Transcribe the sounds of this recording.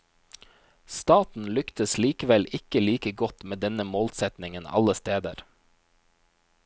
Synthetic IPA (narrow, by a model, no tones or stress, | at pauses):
st̪ɑːt̪n̩lʏkt̪əsliːkəʋɛlɪkəliːkəɡɔt̪meːd̪ɛnəmoːlsɛt̪nɪŋənɑ̰ləst̪eːd̪ə̰ɾ